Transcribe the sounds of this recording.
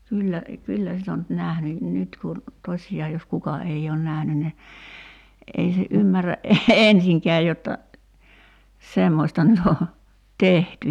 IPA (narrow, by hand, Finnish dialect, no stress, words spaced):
kyːlːæ kylːæ sit o nyt næhny nyt kun tosʲiɑː jos kukɑ ei oːn næhny ni ʔei se ʔymːæræ ʔensiŋkɛæ jotːɑ semːosʲtɑ nyt o tehty